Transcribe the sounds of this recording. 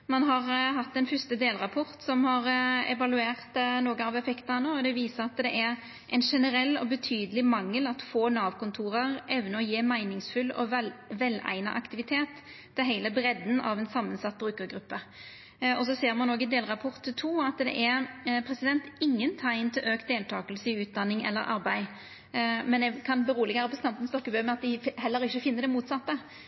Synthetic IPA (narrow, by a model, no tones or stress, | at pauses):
mɑnɦɑʁɦɑt̪ːd̪ɛnfʏst̪əd̪eːlɾɑpʰɔɾt̪sɔmhɑɾɛ̰ʋɑlʉeːʁt̪noːɡəɑʋɛfɛkt̪əɛnəɔd̪ɛʋiːsəɾɑt̪d̪ɛʔɛɾ | ʔɛɪnʂɛnəɾɛlːɔbət̪ʰyːd̪əlɪmɑŋːəlɑt̪foːnɑːʋkʊnt̪ʰuːɾəʁɛʋnəɔjeːmæɪnɪŋsfʉlːɔ̰ʋɛlæ̰ɪnɑ̰ʔɑkt̪ɪʋɪt̪ʰeːt̪ː | ɪɦæɪləbɾɛd̪n̩ʔɑʋɛnsɑmːənsɑt̪̚ːbɾʉːkəɾɡɾʉpːə | ɔsɔseːɾmɑnoːɡɪd̪eːlʁɑpʰɔɾt̪t̪ʰuːɑt̪d̪ɛ̰ʔɛʁpʰɾɛsɪd̪ɛnt̪ɪŋːənt̪ʰæɪnt̪ʰɪlʔøːkt̪̚d̪eːlt̪ʰɑːkəlsəɪʉːt̪̚d̪ɑnːɪŋɛ̰lːə̰ɾʔɑ̰ɾbæɪ | mɛnd̪ɛkʰɑnbəɾuːlɪɡʋæːʁəpbɔst̪ɑmt̪n̩st̪ɔkːəbœʏmɛɑt̪̚d̪ɪhɛlːəɾɪçːəfɪnːəʁɖ̪ɛmuːt̪sɑt̪ːə